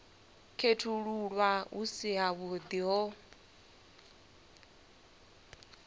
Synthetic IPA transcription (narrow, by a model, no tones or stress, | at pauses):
kʰetʰuɺuɺwaṵsiɦaβɔd̪iɦɔ